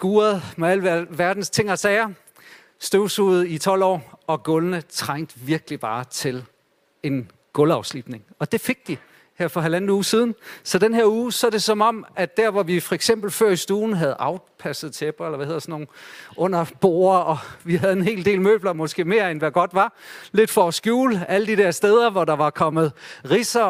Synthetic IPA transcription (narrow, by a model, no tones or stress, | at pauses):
ɡ̥uːɐðˠmeæl̰ʋæʋæɐd̥n̩st͡sʰe̝ŋ̰ɐsɛːɐ | sd̥øʊsuːð̩ˠit͡sʰɒ̽l̰ɒ̰ːɒ̽ɡ̥ɔlnət͡sʰʁaŋ̰d̥ʋiɐɡ̥əlib̥ɑ̈ːt͡sʰe̝l | e̝n | ɡ̥ɔ̽lɑ̈ʊslib̥ne̝ŋɒ̽d̥e̝fe̝ɡ̥̚d̥i | hæɐ̰fɒ̽ɦælænð̩ˠuːsið̞ˠn̩sɒ̽d̥enɦeɐuːsɒ̽d̥e̝sɒ̽mɒ̽m̰ædd̥æɐ̰ʋɒʋifɒ̽eɡ̥sem̰b̥l̩føɐ̰isd̥uːn̩ɦæð̞̩ˠɑ̈ʊpʰæsð̞̩ˠt͡sʰeb̥ʁɐelɐʋæhe̝ð̰ˠɐsɒnːo̝ːnɔ̽n̰ɐb̥o̝̰ːɐɒ̽ʋihæðˠe̝nɦe̝̰ːld̥e̝̰ːlmø̰ːb̥lɐmɒ̽sɡ̥e̝̰ːme̝ːɐenʋæɡ̥ɒ̽d̥ʋɑ̈le̝d̥fɒːsɡ̥juːlæləd̥id̥eɐsd̥eð̞ˠɐʋɒdɑ̈ʋɑ̈kʰɒ̽m̰ð̞̩ˠʁisɐ